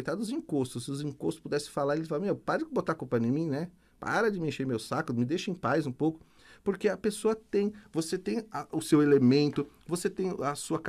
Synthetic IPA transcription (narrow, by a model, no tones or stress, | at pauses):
jt̪ad̪ʊʊzĩkost̪ʊsɪʊzĩkost̪sʊ̥pud̪ɛsɪ̥falaɾelɪsfalɐ̃mewpaɾɐd͡ʒɪɪbot̪akopɐnẽmĩnɛ | pa̰ɾɐd͡ʒɪmẽʃeɾmewsakʊmɪd̪ejʃɐẽj̃pajzũpowkʊ̥ | poɾkeɐpesoɐt̪ẽj̃voset̪ẽj̃ɐʔʊsewelemẽnt̪ʊvoset̪ẽj̃ɐsuɐk